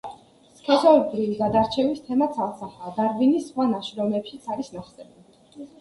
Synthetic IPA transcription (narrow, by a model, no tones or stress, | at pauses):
skʰɛsɔlib̪ɾiviɡad̪aɾt͡ʃʰɛvist̪ʰɛmat̪sʰalsʰaχad̪aɾvinisːχwanaʃɾɔmɛpʃit̪sʰaɾisnaχsɛnu